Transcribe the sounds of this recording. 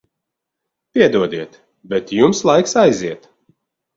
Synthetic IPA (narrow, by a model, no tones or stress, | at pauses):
pʲiɛd̪uɔd̪iɛt̪ | bɛt̪jumslˠajksajziɛt̪